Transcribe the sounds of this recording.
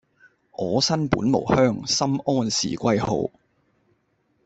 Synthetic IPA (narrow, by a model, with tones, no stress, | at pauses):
ʔɔː˨˧sɐ˥npṵː˨˥nmo̰˨˩whœː˥ŋsɐ˥mɔː˥nsḭː˨˩kʷɐ˥jho̰˨˧w